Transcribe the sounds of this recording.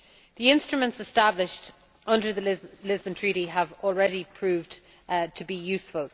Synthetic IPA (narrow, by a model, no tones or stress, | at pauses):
ðiɪ̃nstɹ̥əmə̃ntsəstablɪʃt | ʔʌ̃ndə˞ðəlɪzbə̃ntʰɹ̥iˑɾiəvɔlˠɹɛɾipʰɹ̥ʉːvd | tʰəbijʉˑsfəlˠ